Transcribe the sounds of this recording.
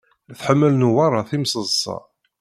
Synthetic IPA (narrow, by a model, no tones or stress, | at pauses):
θħəmːəlnuwɑɾˤɑθimsˤəzˤsˤɑ̰